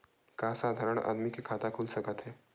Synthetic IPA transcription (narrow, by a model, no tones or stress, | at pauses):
kasaːd̪ʱaɾəɳa̰d̪mikekʰat̪akʰulsəkət̪ɦɛː